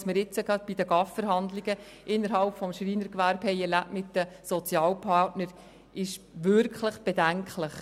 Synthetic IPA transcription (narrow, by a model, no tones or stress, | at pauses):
sməɾɪt͡səɡɑd̪̚b̥id̥əɡɑffəɾɦɑndliɡə | ʔɪnːəɾɦɑlpfɔmʃriːnəɾkʋæɾbhɛɪɛlæpmɪtdəsɔt͡sjɑːlpʰɑtnəɾ | ʔɪʃ | ʋʏɾkχləχb̥edæŋkləχ